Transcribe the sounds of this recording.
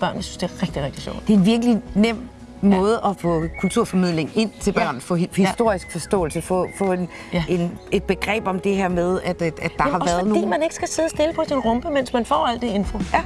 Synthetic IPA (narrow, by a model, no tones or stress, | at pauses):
b̥ɶɐ̰njæsy̥nsd̥e̝ɐʁɛɡ̥d̥iʁeɡ̥̚d̥i̥ɕɒ̰ʊd̥d̥e̝e̝nʋiɐɡ̥əlinem̰ | mɔ̽ːð̞ˠəʔɒfɔ̰̽kʰult͡sʰuɐ̰fɒ̽mið̰ˠle̝ŋe̝n̰t͡sʰe̝lb̥ɶɐ̰nfɔ̽hisd̥o̝ɐ̰isɡ̥fɒ̽sd̥ɔ̰̽ːl̩səfɔ̰̽fɔ̽e̝n | ene̝d̥̚b̥e̝ɡ̥ʁɛ̰ːb̥ɒ̽md̥e̝heɐ̰með̞ˠæd̥æd̥ɑ̈hɑ̈ɒæɐð̩ˠnoḭːmæne̝ɡ̥ə̥sɡ̥æse̝ðˠəsd̥e̝ləpʰɒ̽sinʁɔ̽mb̥əmen̰smænfɒ̰ːæl̰d̥ee̝nfo̝